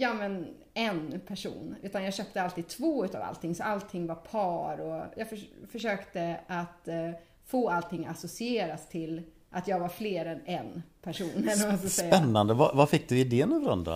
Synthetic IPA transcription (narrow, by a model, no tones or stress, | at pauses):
jɑːmɛn | ɛnpʰæʂṵːnʉ̟ːt̪anjɑːɡɕøːp̚t̪əalt̪iːd̪̚t̪ʰvoːʉ̟ːt̪a̰va̰lt̪ʰɪŋːsɔalt̪ʰɪŋːvaɾpʰɑːɾɔjɑːɡffœʂøːkt̪əʔat̪ | foːalt̪ʰɪŋːa̰sʊsɪeːɾast̪ʰɪl | ʔat̪jɑːɡvaɾfleːɾɛnɛnpʰæʂuːnɛlnɔmaskasɛjːɛnnːand̪əvavafɪk̚ːd̪ɵɪd̪eːənɔvəɾɔ̰nd̪a̰